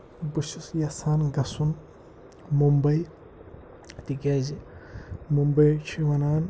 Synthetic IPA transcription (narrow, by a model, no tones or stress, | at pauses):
buʃisjɐsaːnɡɐsun | mumbɐj | t̪iɡʲaːzi | mumbɐjt͡ʃʰiwɐnaːn